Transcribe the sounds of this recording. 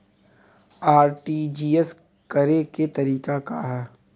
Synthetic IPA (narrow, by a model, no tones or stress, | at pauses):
aːɾʈiːd͡ʒiːes | kɐɾeket̪ɐɾiːkakaɦɛː